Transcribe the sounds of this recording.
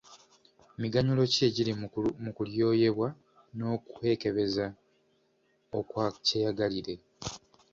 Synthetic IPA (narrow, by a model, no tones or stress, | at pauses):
miɡaɲulo̞ce̞ɟilimukuljo̞ːje̞βwa | no̞ːkuhe̞ːke̞βe̞za | okwaceːjaɡaliɾe̞